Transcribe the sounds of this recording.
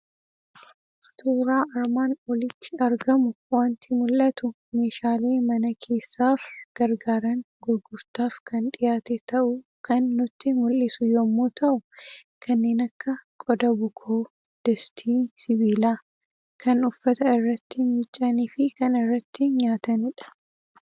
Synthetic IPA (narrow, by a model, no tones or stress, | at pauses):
t̪uːɾaːʔɐɾmaːnɔlɪt̪ːɪɐɾɡɐmʊwaːnt̪ɪmʊlʔɐt̪ʊ | me̞ːʃaːleːmɐnɐkʰe̞ːsːaːfɡ̥ɐɾɡaːɾɐŋɡʊɾɡʊɾt̪aːfkʰɐnᶑɪjaːt̪et̪ɐʔʊkʰɐnːʊt̪ːɪmʊlːɪsʊjomːoːt̪ʰɐʔʊkʰɐnːe̞ːnɐkːɐkʼɔd̪ɐbʊkʰoː | d̪̥ɛst̪ʰiːsɪbiːlaː | kʰɐnʊfːɐt̪ɐɪrːɐt̪ːɪmɪt͡ʃʼːɐniːfɪkɐnɪrːɐt̪ːɪɲaːt̪ɐnɪᶑɐ̥